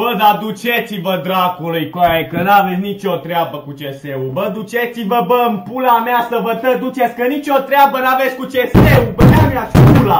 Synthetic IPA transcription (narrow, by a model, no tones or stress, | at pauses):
bəd̪ad̪ut͡ʃet̪sivəd̪ɾakolujkajakənavet̪sʲnit͡ʃo̞t̪ɾeabəkut͡ʃeseubəd̪ut͡ʃet̪sivəbəɨmpulameasəvət̪əd̪ut͡ʃe̞t̪sʲkənit͡ʃʲo̞t̪ɾeabənave̞t̪sʲkut͡ʃeseubənameaspula